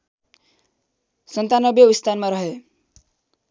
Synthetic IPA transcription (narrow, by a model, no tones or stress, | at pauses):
sʌnt̪anʌbjeist̪ʰanmaɾʌɦe